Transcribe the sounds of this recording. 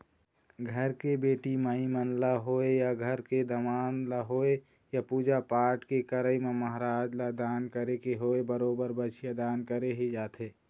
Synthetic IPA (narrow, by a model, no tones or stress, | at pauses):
ɡʱəɾkebeːʈiməimənlaɦoejaɡʱəɾked̪əmaːnlaɦoe | japuːd͡ʒapaːʈkekəɾəimeməɦɾaːd͡ʒlad̪ankəɾekeɦoebəɾoːbəɾbət͡ʃʰijad̪aːnkəɾeɦid͡ʒaːt̪ʰe